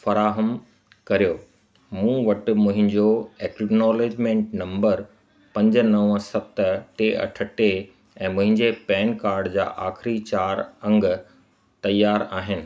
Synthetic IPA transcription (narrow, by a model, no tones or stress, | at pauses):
fɐɾaːɦəm | kɐɾijoː | mũːʋɐʈ̆mʊ̃ɦɪ̃ɲd͡ʑoɛːknɔːleːd͡ʑmẽːɳʈ̚nɐ̃mbəɾ | pɐ̃ɲd͡ʑnɐʋsɐb̚t̪əʈeːʔɐ̰ʈʰə̆ʈe | ɛ̃ːmʊ̃ɦɪ̃ɲd͡ʑepɛːnkaːɾɖd͡ʑa̰ːʔaːxɪɾit͡ɕaːɾɐ̃ŋɡ | t̪ɐjaːɾaːɦɪnɪ̆